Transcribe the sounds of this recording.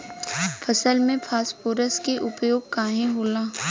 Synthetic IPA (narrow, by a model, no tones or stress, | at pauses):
fʰɐsəlmẽpʰaːspuːɾəskeʔʊpjoːɡ̚kaːɦẽɦoːlaː